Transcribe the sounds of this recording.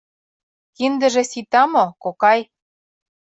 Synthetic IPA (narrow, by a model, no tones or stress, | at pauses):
kind̪ə̆ʒĕsit̪ɑmokokɑj